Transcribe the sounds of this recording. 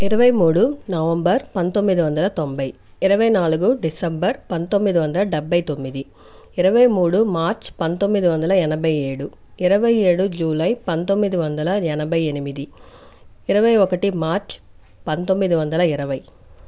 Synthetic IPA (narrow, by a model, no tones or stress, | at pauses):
ɪɾɐʋɐjmuːɽunɐʋɐmbɐɾpɐnt̪o̞mːid̪iʋɐnd̪ɐlɐt̪o̞mbɐj | ɪɾɐʋɐjnaːluɡuɖisɐmbɐɾpɐnt̪o̞mːid̪iʋɐnd̪ɐlɐɖɛbʱːɐjt̪o̞mːid̪i | ɪɾɐʋɐjmuːɽumaːɾt͡ʃpɐnt̪o̞mːid̪iʋɐnd̪ɐlɐɛnɐbʱɐje̞ːɽu | iɾɐʋɐje̞ːɽud͡ʒuːlɐjpɐnt̪o̞mːid̪iʋɐnd̪ɐlɐɛnɐbɐjenimid̪i | ɪɾɐʋɐjɔkɐʈimaːɾt͡ʃ | pɐnt̪o̞mːid̪iʋɐnd̪ɐlɐɪɾɐʋɐj